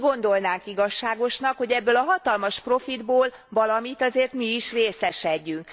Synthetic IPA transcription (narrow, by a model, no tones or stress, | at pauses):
ɡo̞nd̪o̞lnaːŋkiɡɒʃːaːɡo̞ʃnɒkho̞ɟɛbːøːlɒɦɒt̪ɒlmɒʃpro̞fid̪boːl | vɒlɒmit̪ɒzeːrt̪miiʃreːsɛʃɛɟːyŋk